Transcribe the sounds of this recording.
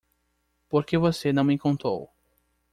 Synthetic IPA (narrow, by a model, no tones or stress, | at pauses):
poɾkevosenɐ̃w̃mẽkõnt̪ɾo̰w